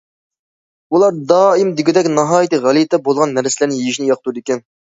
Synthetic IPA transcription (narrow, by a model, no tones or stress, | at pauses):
ulˠɑɾd̪ɑːimd̪ɪɡʲid̪ɛkʲnɑɦɑːjt̪ɨʁælˠit̪ʰɛbolˠʁɑnːɛɾsɪlæɾnɪjejiʃnɪjɑqʰə̥t̪ud̪ɪkʲɛn